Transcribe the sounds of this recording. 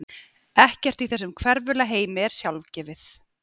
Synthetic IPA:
ɛhcɛr̥t̪iθɛsːʏmkʰvɛɾvʏlaɦeːjmɪɛɾ̥sjalvcɛːvɪθ

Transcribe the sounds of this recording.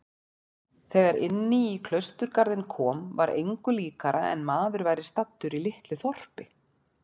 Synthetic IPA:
θɛːɣaɾʔɪ̰nːɪikʰlœɥst̪ʏɾkaɾðɪnkʰɔːmvaɾʔḛjŋkʏliːkaɾaʔɛ̰nmaːðʏɾvaːjɾɪst̪at̪ːʏɾilɪht̪lʏθɔr̥pɪ

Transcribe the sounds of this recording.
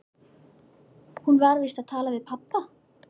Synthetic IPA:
hunvaɾvɪst̪aðt̪ʰaːlavɪðpʰapːa

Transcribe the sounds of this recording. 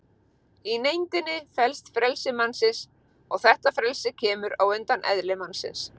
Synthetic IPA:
inejnt̪ɪnːɪfɛlst̪fɾɛlsɪmansɪns | ɔɣθɛht̪afɾɛlsɪcʰɛːmʏɾawent̪anʔɛ̰ðlɪmansɪ̰ns

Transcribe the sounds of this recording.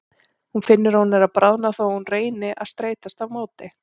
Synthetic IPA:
hunfɪnːʏɾawnɛɾaðpɾʔaðnaθawhunreːjnɪʔa̰ðst̪ɾeːjt̪ast̪avmoːwt̪ɪ

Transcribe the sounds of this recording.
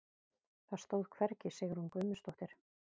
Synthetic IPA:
θaðst̪oːwð̥kʰvɛɾcɪseːjɣɪɾ̥hunkʏɥmʏst̪ɔht̪ɪɾ̥

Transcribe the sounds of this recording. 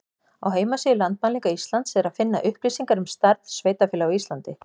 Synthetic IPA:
awɦeːjmasijɪlant̪̚manliŋkaist̪lant̪sɛðɛɾaðfɪnːa̰ʔʏhpɾisiŋkaɾʏmst̪aɾðsveːjt̪afɛːlaist̪lant̪ɪ

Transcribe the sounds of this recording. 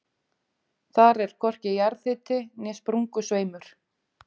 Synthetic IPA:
θaɾɛɾ̥kʰɔr̥cɪjaɾθɪːt̪ɪnɛspɾuŋkʏsveːjmʏɾ̥

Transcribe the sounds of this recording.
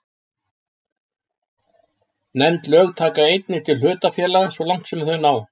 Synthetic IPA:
nɛmt̪lœːɣt̪ʰaːkaejt̪nɪ̥t̪ʰɪlɦʏːt̪afjɛːlasvɔlawŋ̥t̪sɛmθœɥnaw

